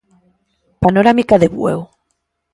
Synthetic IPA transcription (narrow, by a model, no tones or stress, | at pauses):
panoɾamikaðeβwḛw